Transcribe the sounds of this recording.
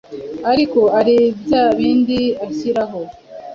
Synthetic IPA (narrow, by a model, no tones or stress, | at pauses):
aɾiko̞aɾibjaβiːndiaçiɾaɦo